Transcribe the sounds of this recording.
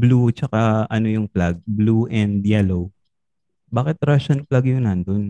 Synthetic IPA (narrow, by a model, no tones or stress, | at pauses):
blut͡ʃɐkaʔɐnojʊŋplaɡ̚bluʔɛnd̪jɛlow | baːkɪt̪ɾaʃonplaɡjʊŋnɐnd̪on